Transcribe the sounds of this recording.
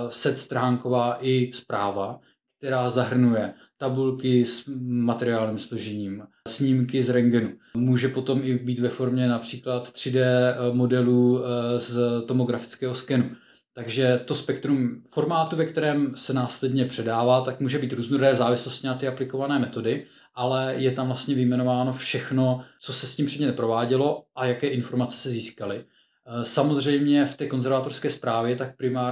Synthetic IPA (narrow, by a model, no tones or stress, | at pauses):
sɛt̪st̪ɾɦaːŋko̞vaːʔɪspɾaːva | k̚t̪ɛɾaːzaɦr̩nujɛ | t̪abulkɪsmat̪ɛɾɪaːlɲimsloʒɛɲiːm | sɲimkɪzɾɛŋɡɛnumuːʒɛpo̞t̪o̞mɪbiːt̪vɛfo̞ɾmɲɛnapr̝̥iːklat̪t̪r̝̥ɪdɛːmo̞dɛluːzt̪o̞mo̞ɡɾafɪ̥t͡skɛːɦoskɛnu | t̪aɡʒɛt̪o̞spɛkt̪ɾumfo̞ɾmaːt̪uvɛkt̪ɛɾɛːmsɛnaːslɛdɲɛpr̝̥ɛdaːvaːt̪akmuːʒɛbiːt̪ɾuːznoɾɛːzaːvɪslo̞scɪnat̪ɪaplɪko̞vanɛːmɛt̪o̞dɪ | ʔalɛjɛt̪amvlast̪ɲɛvɪmɛno̞vaːno̞fʃɛxno̞t͡so̞sɛsciːmpr̝̥ɛdɲɛt̪ɛpɾo̞vaːɟɛlo̞ʔajakɛːʔɪnfo̞ɾmat͡sɛ̥sɛziːskalɪ | samo̞zr̝ɛjmɲɛft̪ɛːko̞nzɛɾvat̪o̞rskɛːspɾaːvjɛt̪ak̚pɾɪmaː